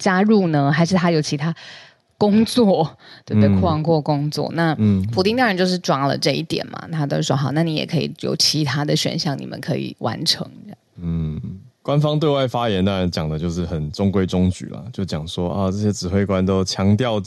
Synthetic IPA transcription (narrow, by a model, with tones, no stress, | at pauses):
t͡ɕja˥ɻu˥˩nə˧xa˧˥ɪʂɻ̩˥˩t̪ʰa˥jo˨˧˩ʊt͡ɕʰi˧˥t̪ʰa˥ | kʊ˥ŋt͡swɔ˥˩t̪we˥˧t̪kʰwɑ˥˧ŋkwɔ˥˧kʊ˥ŋt͡swɔ̰˥˩na˥˧pʰu˨t̪̬i˥ŋt̪ɑ˥ŋa˧˥nt͡ɕo˥˧ʂɻ̩˥˩ʈ͡ʂwɑ˨˩lə̰˨ʈ͡ʂɤ˥˧i˥˩t̪jɛ̰˨˩nmɐ̰˩t̪ʰa˥t̪o˥ʂwo˧˥xɑ˨˩˦na˥˩ni˧˥jɛ̰˨˩kʰɤ˧˥ḭ˨˩jo̰˨˩ʊt͡ɕʰi˧˥t̪ʰa˥d̪ə˨ɕɥɛ̰˨˩nɕjɑ˥˩ŋnḭ˨˩mʔə̰˦nkʰɤ˧˥ḭ˨˩wa̰˧˥nʈ͡ʂʰɤ̰˧˥ŋ˥ɑ̰˥˩ŋn̩˥˩ | kwa˦nfɑ˥ŋt̪we˥˧wa˥˩ɪfa˥jɛ˧˦nt̪ɑ˥ŋɻa˧˦nt͡ɕjɑ˨˩ŋd̪ə˦t͡ɕjo˥˧ʊʂɻ̩˥˩xə˨˩nʈ͡ʂʊ˥ŋkwe˥˧ɪʈ͡ʂʊ˥ŋt͡ɕy̰˨˩lɐ̰˨˩t͡ɕjo˥˩ʊt͡ɕjɑ˨˩ŋʂwɔ˦ʔɔ˧ʈ͡ʂɤ˥˩ɕjɛ˥ʈ͡ʂɻ̩˨˩xwe˥˩ɪkwa˦nt̪o˥ʊt͡ɕʰjɑ˧˥ŋt̪jɑ˥˨ʊ